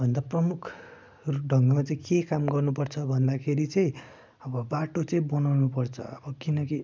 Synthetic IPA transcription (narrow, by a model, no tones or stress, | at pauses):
bʱʌnd̪aprʌmukʰ | rɖʱʌŋɡʌmat͡saĩkekamɡʌrnupʌrt͡sʰʌbʱʌnd̪akʰeɾit͡sʌĩ | ʌbʌbaʈot͡sʌĩbʌnawnupʌrt͡sʰʌ̰ʌbʌkinʌki